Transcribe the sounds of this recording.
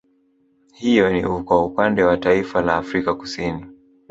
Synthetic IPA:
hijɔniukwaupandɛwataifalaːfɾikaku̥sini

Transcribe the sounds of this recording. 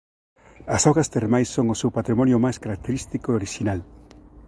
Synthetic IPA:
ɐsawɣast̪eremajsːoŋosewpat̪ɾimɔnjʊmajskaɾak̚t̪eɾist̪ikoeoɾiʃinal

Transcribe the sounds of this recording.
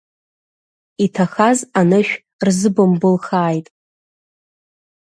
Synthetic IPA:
itʰaχazanɨʃᶣ | rzɨbɨmbʊlχaːjtʼ

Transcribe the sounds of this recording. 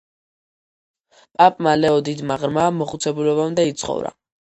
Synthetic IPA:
pʼapʼmalɛɔd̪id̪maʁɾmaːmɔχut̪sʰɛbulɔβamd̪ait̪sʰχɔ̰vɾa̰

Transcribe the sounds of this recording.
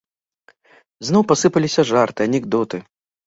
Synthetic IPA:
znɔwpasɨpɐlʲisʲɐʐart̪ɨɐnʲɛɡd̪ɔt̪ɨ

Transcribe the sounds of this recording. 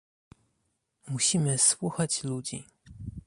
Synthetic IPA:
muɕimɘswuxat͡ɕlud͡ʑḭ

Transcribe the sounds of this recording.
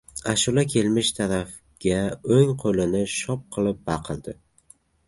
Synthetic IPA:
aʃulakʲʰe̞lmɪʃt̪ʰaɾaf | ɡ̥ʲaoŋqʰolɪnɪʃɒp̚qʰɨlˠɪp̚bɑqʰɨlˠd̪ɪ

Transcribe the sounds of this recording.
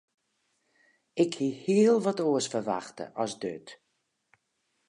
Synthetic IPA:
ɪkhihiəlˠʋɔtoəsfərʋa̰xtə̰ʔɔsdø̰t

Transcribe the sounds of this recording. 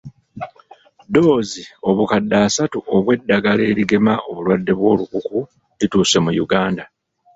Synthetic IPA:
do̞ːzio̞βukadːaːsatuʔo̞βwe̞dːaɡale̞ːɾiɡe̞maʔoβulwadːe̞βwo̞ːlukuku | lituːse̞mujuɡaːnda

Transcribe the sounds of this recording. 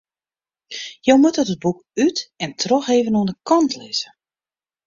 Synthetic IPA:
jowmutɔtəd̚buk | ytɛntʰrɔxeːvənuənəkɑntlɪz̥ə

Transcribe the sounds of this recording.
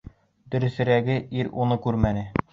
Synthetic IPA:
d̪ɵ̆ɾɘ̆sɘ̆ɾæɡɘʔiɾunɤkʉɾmænɘ

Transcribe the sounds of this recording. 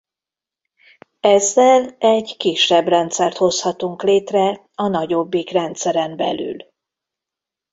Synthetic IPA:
ɛzːɛlɛɟkiʃːɛbrɛnt̪sɛrt̪ho̞shɒt̪uŋkleːt̪rɛ | ɒnɒɟo̞bːikrɛnt̪sɛɾɛmbɛ̰ly̰l

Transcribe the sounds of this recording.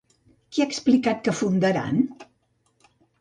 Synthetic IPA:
kiaksplikat̪̚kəfund̪əɾa̰n

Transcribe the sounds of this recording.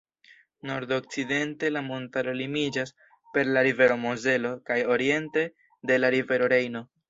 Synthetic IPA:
no̞ɾdo̞k̚t͡side̞nte̞lamo̞ntaɾo̞limid͡ʒas | pe̞ɾlaɾive̞ɾo̞moze̞lo̞kajo̞ɾie̞nte̞ | de̞laɾive̞ɾo̞ɾe̞jno̞

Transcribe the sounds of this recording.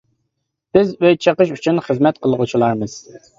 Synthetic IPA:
b̥ɪzøjt͡ʃʰəqəʃ̬yt͡ʃʰynχəzmɛt̪̚qʰəlˠəʁut͡ʃʰilˠɑɾmɨz̥

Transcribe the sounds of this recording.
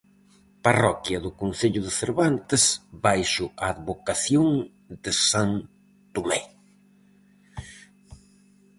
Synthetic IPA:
parɔkjɐðʊkonθeʎʊðɪθeɾβant̪ɪsbajʃʊʔaːðβokaθjoŋ | d̪ɪsan | t̪umɛj

